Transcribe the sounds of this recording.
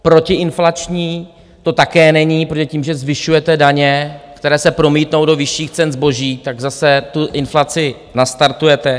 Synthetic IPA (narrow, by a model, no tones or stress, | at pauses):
pɾo̞cɪʔɪnflat͡ʃɲiː | t̪o̞t̪akɛːnɛɲiːpɾoɛciːmʒɛzvɪʃujɛt̪ɛdaɲɛkt̪ɛɾɛːsɛpɾo̞miːt̪no̞wdo̞vɪʃːiːxt͡sɛnzbo̞ʒiːt̪aɡzasɛt̪uʔɪnflat͡sɪ | nast̪aɾt̪ujɛt̪ɛ